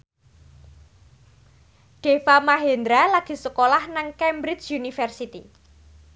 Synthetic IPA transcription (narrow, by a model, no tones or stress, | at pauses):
ɖ̥efamaɦend̪ɾalaɡ̥i̤səkolahnaŋkɛmbɾɪt͡ʃjunifɛrsit̪i